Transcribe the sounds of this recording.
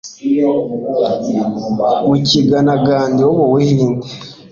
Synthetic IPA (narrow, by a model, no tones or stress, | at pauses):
muciɡanaɡaːndioβowihiːnde